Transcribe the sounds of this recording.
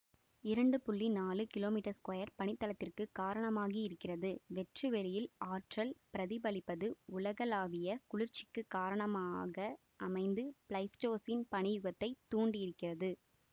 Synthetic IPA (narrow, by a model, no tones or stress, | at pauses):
ɪɾɐɳɖɯpʊɭːinaːlɯkɪloːmiːʈɐskɐjɐɾpɐɳɪt̪ːɐlɐt̪ːɪrkɯkaːɾɐɳɐmaːɣiɪɾɯkːɪrɐðɯʋɛʈrɯʋɛɭɪjɪlaːʈrɐlpɪɾɐðɪbɐlɪpːɐðɯʊlɐɣɐlaːʋɪjɐkʊɭɪɾt͡ʃɪkːɯkːaːɾɐɳɐmaːɣɐ | ʔɐmɐɪnd̪ɯplɐɪsʈoːsɪnpɐɳɪjɯɣɐt̪ːɐɪt̪ːuːɳɖiɪɾɯkːɪrɐðɯ